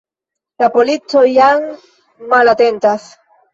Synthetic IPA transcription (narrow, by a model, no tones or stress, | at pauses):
lapolitojaŋ | malat̪ent̪as